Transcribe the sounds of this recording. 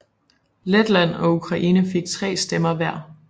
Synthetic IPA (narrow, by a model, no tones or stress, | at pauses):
led̥læn̰ɒ̽ukʰʁɑ̈ʔiːnəfe̝ɡ̥̚t͡sʰʁɛ̰ːsd̥emɐʋæɐ̰